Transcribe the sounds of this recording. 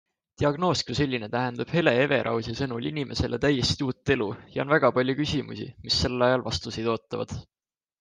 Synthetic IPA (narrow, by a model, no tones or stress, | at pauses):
t̪iɑɡ̥no̞ːskuse̞lʲːinet̪æɦe̞nd̪ɑb̥he̞le̞e̞ve̞ɾʔɑ̰wsisɤnulʲinimʔe̞se̞lʔet̪æje̞sʲt̪ʲiuːt̪ːˑe̞lujɑonvæɡ̥ɑpɑlʲjukysʲimṵsʲḭmisːe̞llːɑjɑlvɑst̪usejd̪̥o̞ːt̪ˑːɑvɑ̰d̪̥